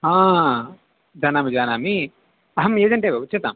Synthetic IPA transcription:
hãː | d͡ʒaːnaːmid͡ʒaːnaːmi | ɐɦɐmeːd͡ʒɐɳʈeʋeːut͡ʃːɐt̪a̰ːm

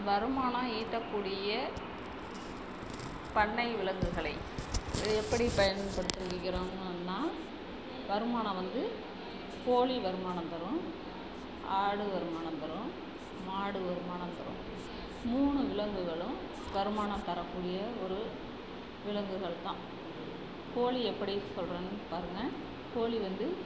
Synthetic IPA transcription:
ʋɐɾɯmaːnãːiːt̪ːɐkːuːɽɪjɐ | pɐɳːɐɪʋɪlɐŋɡɯɣɐɭɐɪ | ɛpːɐɽipɐjɐnɯpɐɽɯt̪ːɯɾɯkːɪkːɪɾoːŋɯnːaː | ʋɐɾɯmaːnɐ̃ʋɐnd̪ɯ | poːɭiʋɐɾɯmaːnɐmt̪ɐɾɯ̃m | aːɽɯʋɐɾɯmaːɳɐt̪ɐɾɯ̃ | maːɽɯʋɐɾɯmaːnɐt̪ɐɾɯ̰̃m | muːɳɯʋɪɭɐŋɡɯɣɐɭɯ̃m | ʋɐɾɯmaːɳɐ̃mt̪ɐɾɐkːuːɽɪjɐɔɾɯ | ʋɪlɐŋɡɯɣɐɭt̪ãː | koːliɛpːɐɽisɔlɾeːnpaːɾɯŋɡɐ | koːliʋɐnd̪ɯ

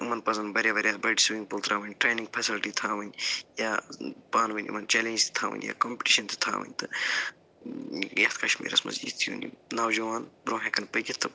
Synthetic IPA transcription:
ɨmɐnpɐzɐnbɐɾʲjaːʋɐɾʲjaːbɐɖisiʋiŋpult̪ɾaːʋɐnʲʈɾeːnĩŋɡ̚pʰɐsilʈit̪ʰaːʋɐnʲjaːpaːnʋɐnʲḭmɐnt͡ʃeːlẽːnd͡ʒt̪i̥t̪ʰaːʋɐ̰nʲja̰ːkoːmpi̥ʈiʃɐnt̪ɨ̥t̪ʰa̰ːʋɐ̰nʲt̪ɨ | jɐt̪ʰkɐʃmḭːɾɐ̰smɐ̰zḭːd̪t̪ʰijṵːnḭnɐːwd͡ʒɐʋaːnbɾõːɦẽkɐnpɨkʲit̪ʰːɨ

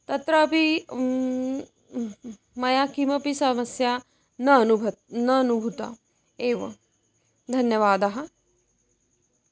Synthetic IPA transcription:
t̪ɐt̪ɾɐːpi | mɐjaːkimɐpisɐmɐsjaː | nɐnubʱɐnɐːnubʱut̪a̰ | eːʋɐ̰ | d̪ʱɐnjɐʋaːd̪aɦɐ̆

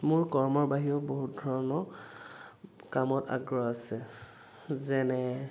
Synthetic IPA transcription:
mʊɹkɔɹmɔɹbaɦioboɦut̚dʱɔɹɔnɔ | kamɔta̰ɡɹɔasɛ | zɛnɛ

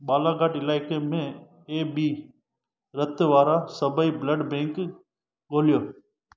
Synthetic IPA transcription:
ɓaːlaːɡaːʈɪlaːɪkeːmẽː | eːbiː | ɾət̪ʋaːɾaːsəbəiːbləɖbẽːŋk | ɠoːljoː

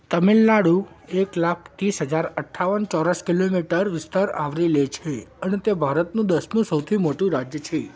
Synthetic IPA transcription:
t̪əmilnaɽu | eklakʰt̪isɦəd͡ʒaɾəʈʰːaʋənt͡ʃɔɾəskilomiʈəɾʋɪst̪aɾa̰ʋɾilet͡ʃʰeənet̪ebʱaɾət̪nũd̪əsnũsəwt̪ʰimoʈũɾad͡ʒjət͡ʃʰe

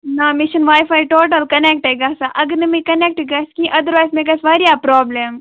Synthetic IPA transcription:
namɪʃɐnʋaːjfaːjʈoːʈəlkɐnek̚ʈeɡaːsaʔɐɡɐɾnɐmĩkɐnek̚ʈeɡaːskĩʔɐd̪əɾʋaːjzmeɡɐsʋaɾijapɾɔːblem

